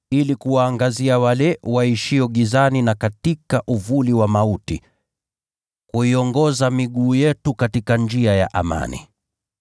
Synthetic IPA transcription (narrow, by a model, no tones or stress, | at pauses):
ilikuwaːŋɡaziawalɛwaiʃiɔɠizaninakatikaʔuvuliwamautḭ | kuiɔŋɡɔzamiɠuːjɛtukatikand͡ʒiaja̰ʔama̰nḭ